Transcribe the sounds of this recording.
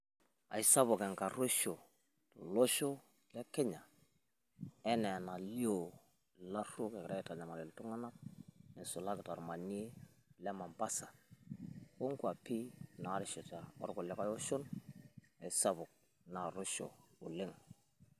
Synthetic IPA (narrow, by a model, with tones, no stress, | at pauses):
a̰˨i˨sa˦βʊ˨kɛ˨ŋka˨ɾo˦ʃo˨ | to˨lo˦ʃo˦ | lɛ˦kɛ˦ɲa˨ | ɛ˦nɛ˨na˨li˦o˨ | la˦ɾu˦kɛ˨kɾa˦ɛ˨ta˨ɲa˨ma˨lɪ˨ltʊ˦ŋa˦na˦k̚nɛ˨sʊ˨la˦kɪ˨ta˨ɾma˨ɲe˦ | lɛ˦ma˨mba˦sa˨ | o˦ŋku˦a˨pi˦na˨˦ɾɪ˨ʃɔ˨ta˨ɔ̰˦ɾɡʊ˨lɛ˦ka˦jo˦ʃʊ˦n | a˨i˨sa˦bʊ˨k̚ | na˨ɾo˦ʃo̰˨ʊ˨lɪ˦ŋ